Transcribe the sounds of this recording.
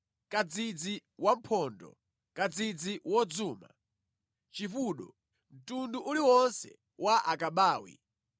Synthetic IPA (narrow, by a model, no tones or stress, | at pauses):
kad͡zid͡ziwam̩pʰɔndɔ̰ | kad͡zid͡ziwɔd͡zuːma̰ | t͡ʃifuɗɔ | m̩tunduʔuliwɔnsɛ̰ | waʔakaɓaːwḭ